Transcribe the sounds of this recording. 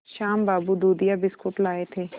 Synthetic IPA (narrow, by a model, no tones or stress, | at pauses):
ʃaːmbaːbud̪uːd̪ijaːbɪskʊʈlaːet̪ʰeː